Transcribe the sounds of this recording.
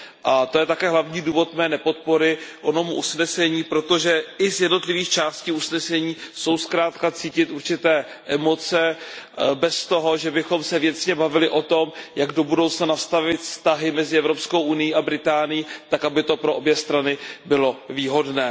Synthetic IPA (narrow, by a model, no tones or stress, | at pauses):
ʔat̪o̞jɛt̪akɛːɦlavɲiːduːvo̞t̪mɛːnɛpo̞t̪̚po̞ɾɪʔono̞muʔusnɛsɛɲiːpɾo̞t̪o̞ʒɛʔɪzjɛdno̞t̪lɪviːxt͡ʃaːsciːusnɛsɛɲiːso̞wskɾaːt̪kat͡siːcɪt̪ʔuɾt͡ʃɪt̪ɛː | ʔɛmo̞t͡sɛ | bɛst̪o̞ɦo̞ʒɛbɪxo̞msɛvjɛt͡sɲɛbavɪlɪʔo̞t̪o̞mjaɡdo̞budowt͡snanast̪avɪt̪fst̪aɦɪmɛzɪɛvɾo̞psko̞wʔunɪjiːabɾɪt̪aːnɪjiːt̪akabɪt̪o̞pɾoʔobjɛst̪ɾanɪbɪlo̞viːɦo̞dnɛː